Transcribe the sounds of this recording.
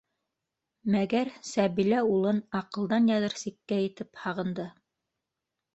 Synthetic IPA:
mæɡæɾsæβilæulˠɤnɑqɤ̆lˠd̪ɑnjɑðɤɾsikːæjɘ̆t̪ɘphɑʁɤ̆nd̪ɤ

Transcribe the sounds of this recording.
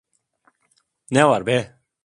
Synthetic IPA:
nɛwaɾbe

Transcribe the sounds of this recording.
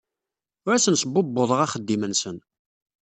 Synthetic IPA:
ʊɾæsənsəbːobːʊðˤəʁɑχəd̪ːimənsən

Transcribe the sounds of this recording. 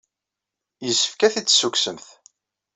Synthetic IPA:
jəsə̥fkæθit͡sːsːuksəmθ

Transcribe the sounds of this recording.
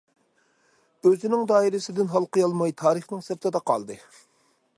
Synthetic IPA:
øzɪnɪŋd̪ɑːiɾɪsɪd̪ɪnɦɑlˠqəjɑlˠmɑjt̪ʰɑːɾəχnɪŋsɛpt̪ʰɨd̪ɑqʰɑ̰lˠd̪ɨ

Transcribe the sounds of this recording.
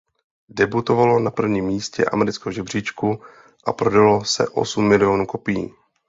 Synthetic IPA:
dɛbut̪o̞valo̞napr̩vɲiːmːiːscɛ̰ʔa̰mɛɾɪt͡skɛɦoʒɛbr̝̥iːt͡ʃku | ʔapɾodalo̞sɛ̰ʔo̞̰sumːɪlɪo̞nuːko̞pɪjḭː

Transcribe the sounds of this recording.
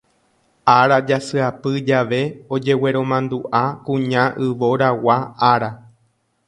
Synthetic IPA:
aɾad͡ʒasɨapɨd͡ʒaʋe̞o̞d͡ʒe̞we̞ɾõ̞mãnd̪uʔakũɲãʔɨʋo̞ɾawaaɾa

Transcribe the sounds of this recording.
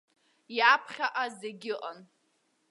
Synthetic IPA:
japʰχʲaʔazeɡʲɪʔʼan

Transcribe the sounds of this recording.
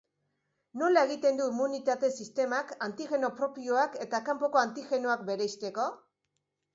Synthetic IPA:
no̞lae̞ɣit̪e̞nd̪uimunit̪at̪e̞sist̪e̞makant̪iɣe̞no̞pɾo̞pioake̞t̪akampo̞ko̞ant̪ixe̞no̞ak̚be̞ɾeist̪e̞ko̞

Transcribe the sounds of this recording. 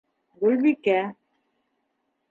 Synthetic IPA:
ɡulβikæ

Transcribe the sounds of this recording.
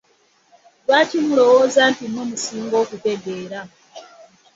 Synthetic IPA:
βaːcimulo̞wo̞ːzaːntinomusiːŋɡo̞ːkute̞ɡe̞ːɾa

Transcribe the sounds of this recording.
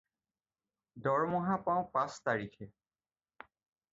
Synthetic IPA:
dɔɹmɔɦapãʊ̃pãstaɹikʰɛ

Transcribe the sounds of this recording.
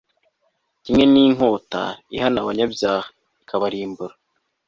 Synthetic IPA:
cimŋe̞niːŋo̞ːta̰ihanaβaɲabjaːha | ikʰaβaɾiːmbuɾa

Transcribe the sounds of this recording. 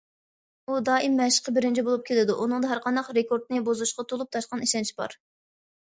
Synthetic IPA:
ud̪ɑːʔimːɛʃə̥qʰːəbɪɾɪnt͡ʃʰibolˠup̚kʲʰelɪd̪uʔunɨŋd̪ɑɦæɾqʰɑnd̪ɑqɾekʰoɾd̪̚nɨbozuʃqʰɑt̪ʰolˠup̚t̪ʰɑʃqɑniʃɛnt͡ʃʰibɑ̰ɾ

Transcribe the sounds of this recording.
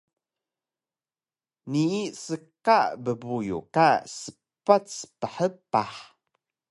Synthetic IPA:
niisəkaʔbəbujṵkasə̥ | pat͡spəħəpaħ

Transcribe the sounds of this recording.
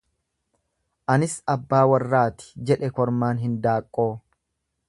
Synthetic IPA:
ʔɐnɪsɐbːaːwɐrːaːt̪ɪ̥d͡ʒɛᶑɛkɔɾmaːnɦɪnd̪aːkʼːo̞ː

